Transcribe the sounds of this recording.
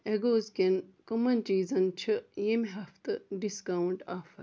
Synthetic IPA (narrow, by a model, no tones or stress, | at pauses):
eɡoːzkʲenkɐmɐnt͡ʃiːzɐnt͡ʃʰɨjemɦɐft̪ɨɖiskɐwuɳʈaːfɐɾ